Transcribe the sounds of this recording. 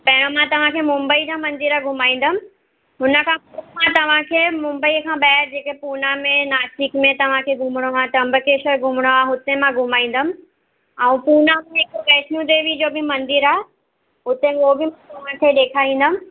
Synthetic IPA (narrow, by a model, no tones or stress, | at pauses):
pɐɦɪɽ̃omãt̪ɐʋ̤ãkʰemʊ̃mbəid͡ʑãmɐ̃nd̪ɪɾaɡʱʊmaːĩːn̆d̪əmɪ̆ | ɦʊnə̆kʰãpɐmãt̪ɐʋ̤ãkʰeːmʊ̃mbəikʰãɓɛːɪɾd͡ʑeːkepuːnamẽnaːstɪkmẽt̪ɐʋ̤ãkʰeːɡʱʊmɽ̃oãt̪ɾɐ̃mbəkeːʃəɾɡʱʊmɽ̃oaːʊt̪emãɡʱʊmaːĩːn̆d̪əmɪ̆ | ɛ̃ũpuːnamẽɪkokɛːʃnũd̪eːʋid͡ʑoːbɪmɐ̃nd̪ɪɾaːe | ʊt̪ẽoːbɪmãt̪ɐʋ̤ãt̪ʰeɗeːkʰaːĩːn̆d̪əmɪ̆